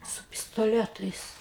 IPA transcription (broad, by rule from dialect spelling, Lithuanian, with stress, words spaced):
sʊ pʲɪstoːˈlʲæːtɐɪs